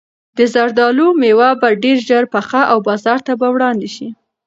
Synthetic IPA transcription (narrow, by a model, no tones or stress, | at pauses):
d̪əzaɾd̪ɑlomewabaɖeɾʒaɾpaxaʔawbɑzɑɾt̪abawɽɑnd̪eʃi